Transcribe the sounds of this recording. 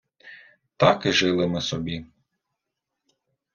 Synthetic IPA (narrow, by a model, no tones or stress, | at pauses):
t̪ɑkɪʒɪlˠɪmɪsɔbʲi